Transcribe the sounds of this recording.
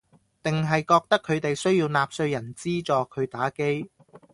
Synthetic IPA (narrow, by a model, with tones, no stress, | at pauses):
t̪ɪ˨ŋɦɐ˨jkɔː˧k̚t̪ɐ˥kʰːɵ˨˧ɥt̪e˨jsɵ˥ɥjiː˧wnaː˧p̚sɵ˧ɥjɐ˨˩nt͡siː˥t͡sɔː˨kʰɵ˨˧ɥt̪aː˨˥ke˥j